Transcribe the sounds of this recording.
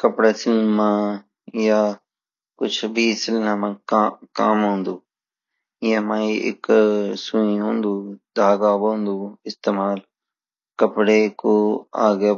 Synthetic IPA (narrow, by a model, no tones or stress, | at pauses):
kɐpɽeːsɪlmãː | ja | kʊt͡ʃʰbʱisɪlnamãːkaːmɦũːnd̪uː | ɪjãmãːiɪ̰ksuĩɦũːnd̪uːd̪ʱaːɡaːbõːnd̪uːɪst̪eːmaːl | kɐpɽekoa̰ːɡa